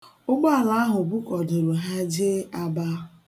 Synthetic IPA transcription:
o˦ɡ͡bo˦a˨la˨˦a˦ɦʊ˨bu˦kɔ˨de˨ɾo˨ɦa˦d͡ʒe˦a˦ba˦

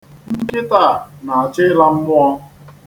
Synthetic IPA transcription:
m̩˦kɪ˦ta˦˨na˨a˨t͡ʃɪ˦la˦m̩˦mʊ˦ɔ˦

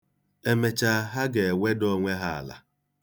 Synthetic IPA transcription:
e˦me˨t͡ʃa˨˦ɦa˦ɡe˨wʷe˦dɔ˦ŋʷe˦ɦa˦a̰˨la̰˨

